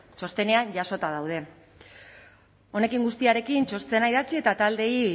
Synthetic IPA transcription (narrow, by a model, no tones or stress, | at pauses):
t͡ʃo̞st̪e̞ne̞aɲʝaso̞t̪að̞awð̞e̞ | o̞ne̞kiŋɡust̪iaɾe̞kint͡ʃo̞st̪e̞naiðat͡sie̞t̪at̪ald̪e̞i